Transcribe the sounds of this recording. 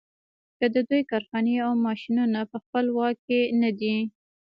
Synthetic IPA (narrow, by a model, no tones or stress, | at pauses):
kəd̪əd̪ujkɑɾxɑneawmɑʃinunapəxpəlwɑkːenad̪i